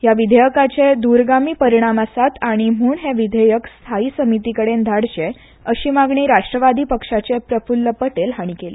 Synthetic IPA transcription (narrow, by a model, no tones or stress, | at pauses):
ɦjaʋid̪ʱəjəkat͡ɕed̪uɾɡamiːpəɾiɽ̃amasat̪aɽ̃imuːɳɦeʋid̪ʱəjəkst̪ʰaiːsəmit̪ikəɽend̪ʱaɽt͡ɕe | əɕiːmaɡɳiːɾaʂʈɾəʋad̪iːpəkʂat͡ɕepɾəfulːəpəʈelɦaɽ̃ikeli